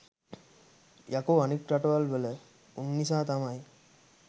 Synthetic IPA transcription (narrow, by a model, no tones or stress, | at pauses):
jakoːanik̚ʈɾaʈoʋalʋələ | unːisaːt̪amaj